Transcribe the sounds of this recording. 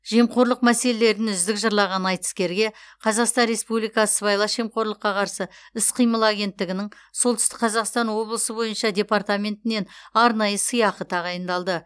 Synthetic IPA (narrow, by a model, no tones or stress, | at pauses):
ʒ̥e̞mqo̞ɾlˠəq̚mæse̞le̞le̞ɾɪnʏzd̪ɪkʒəɾlˠɑʁɑnɑjt̪ə̥skʲe̞ɾɡʲe̞qʰɑzɑqst̪ɑnɾe̞spublijkɑsəbɑjlˠɑʃe̞mqo̞ɾlˠəqːɑqʰɑɾsəɪsqʰijməlˠaɡʲe̞nt̪ːɪɡʲɪnɪŋɴ | so̞lˠt̪ʰʏ̥st̪ɪ̥k̚qʰɑzɑqst̪ɑnwo̞blˠəsəbo̞jənʃɑdʲe̞part̪amʲe̞nt̪ɪne̞nɑɾnɑjəsəjɑqət̪ʰɑʁɑjənd̪ɑlˠd̪ə